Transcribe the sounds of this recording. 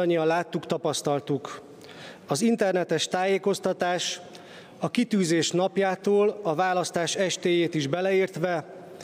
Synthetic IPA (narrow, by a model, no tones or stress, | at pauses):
ɒɲːiɒnlaːt̪ːukt̪ɒpɒst̪ɒlt̪uk | ɒzint̪ɛrnɛt̪ɛʃt̪aːjeːko̞st̪ɒt̪aːʃ | ɒkit̪yːzeːʃnɒpjaːt̪oːlɒvaːlɒst̪aːʃɛʃt̪eːjeːt̪iʒbɛlɛiːrt̪ʋɛ